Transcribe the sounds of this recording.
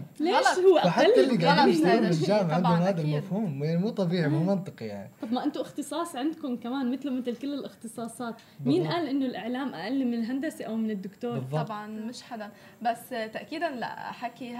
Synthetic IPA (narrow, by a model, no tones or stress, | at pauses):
leːʃhʊwːaʔaħatlːaʔɪlːiɡaiauːɪld͡ʒaːmʕʕanʊmhaːd̪almafhuːmwanimuːt̪ˤɑbiːʕimɪnmɑnt̪ˤɨqɑjaʕniˤɑbmaʔɪnt̪ʊʔɪxt̪ɨsˤɑːsˤʕɪnd̪kʊnkamaːnmɪt̪lomɪt̪lkɪlːɪlʔɪxt̪ɨsˤɑːsˤɑːt̪ | miːnʔaːlʔɪnːʊlʔɪʕlaːmʔa̰ʔalːɪmːɪnɪlɦand̪asiʔawmɪnɪd̪ːʊkt̪oːbɨɾðˤːɑbʕɑnmɪʃħad̪a | basːt̪aʔkiːd̪anla̰ʔa̰ħaki